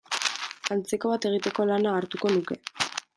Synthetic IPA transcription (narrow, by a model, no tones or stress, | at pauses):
ant͡seko̞β̞at̪e̞ɣ̞it̪e̞ko̞lanaːɾt̪uko̞nuke̞